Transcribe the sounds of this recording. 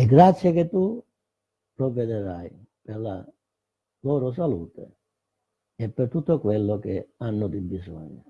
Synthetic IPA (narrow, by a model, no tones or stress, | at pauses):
eɡɾat̪sːjeket̪ːu | pɾovːed̪eɾaj | perla | lɔːɾos̬aluːt̪ḛ | epːert̪ut̪ːokwelːokeanːʊd̪ibːizɔ̰ɲːo̰